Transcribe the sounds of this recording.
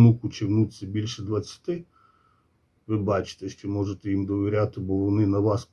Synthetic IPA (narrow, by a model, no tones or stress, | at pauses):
mukʊt͡ʃɪwnut͡sʲːɐbʲilʲʃɛd̪ʋɐt͡sʲːɐ̥t̪ɪ | ʋɪbɑt͡ʃɪ̥t̪ɛʃt͡ʃɔmɔʒet̪ɛjimd̪ɔʋʲɪɾʲat̪ɪbɔʋɔnɪnɐʋɑsp